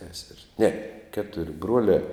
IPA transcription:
sʲɛsʲɛrʲsʲ nʲɛ ˈkʲæːtʊrʲ ˈbruɔlʲɛ

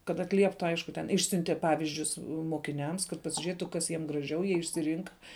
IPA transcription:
kɐt ɐtʲˈlʲiɛptʊ ˈɐɪʃkʊ tʲɛn ˈɪʃʲsʲʊnʲtʲɛˈpɑːʋʲɪzʲd͡ʒʲʊs moːkʲɪˈnʲɛms kɐt pɐsʲɪˈʒʲeːtʊ ˈkɐs jiɛm ɡrɐˈʒʲɛʊ ˈjiɛ ɪʃʲsʲɪˈrʲiːŋkɐ

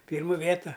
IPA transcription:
ˈpʲiːrmʊ ˈʋʲeːtɐ

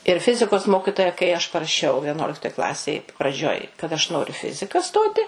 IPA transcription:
ɪr ˈfʲɪzʲɪkoːs ˈmoːkʲɪtoːjɛ kɐɪ ɐʃ pɐrɐˈʃʲɛʊ ʋʲiɛˈnuɔlʲɪktoːj ˈklˠɑːsʲeːj prɐˈd͡ʒʲoːj kɐt ɐʃ ˈnoːrʲʊ ɪ ˈfʲɪzʲɪkɐ ˈstoːtʲɪ

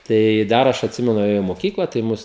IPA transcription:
ˈtɐɪ ˈdɐr ɐʃ ɐtʲˈsʲɪmʲɛnʊ eːˈjɛʊ ɪ moːˈkʲiːklˠɐ tɐɪ ˈmʊs

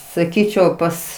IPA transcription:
sɐˈkʲiːt͡ʃʲɛʊ ˈpɐs

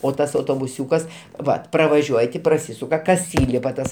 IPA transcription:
oː ˈtɐs ɐʊtoːbʊˈsʲuːkɐs ˈʋɐt prɐʋɐˈʒʲuɔj tʲɪ prɐˈsʲiːsʊkɐ kɐs ˈiːlʲɪpɐ ˈtɐs

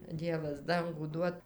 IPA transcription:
ˈdʲiɛʋɐs ˈdɐŋɡuː ˈduɔt

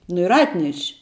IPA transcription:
nʊ ɪr ˈɑːtʲnʲɛʃʲ

